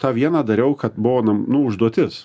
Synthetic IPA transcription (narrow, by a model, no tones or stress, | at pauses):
t̪ɑːʋʲiɛnɐːd̪ɐɾʲɛʊkɐt̪bʊʋoːnɐnʊʊʒd̪uɔt̪ʲɪs